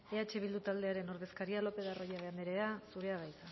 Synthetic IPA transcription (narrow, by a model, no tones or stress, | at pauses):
e̞at͡ʃe̞β̞ild̪ut̪ald̪e̞aɾe̞no̞ɾð̞e̞skaɾialo̞pe̞ð̞aro̞jaβeameɾe̞asuɾe̞aβ̞ajt̪a